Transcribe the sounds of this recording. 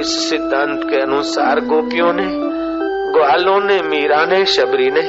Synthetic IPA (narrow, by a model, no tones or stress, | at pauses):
ɪssɪd̪ʱːãnt̪keɐnʊsa̰ːɾɡoːpɪjõːneː | ɡʊaːlõːnẽmiːɾãːnẽːʃɐbɾiːne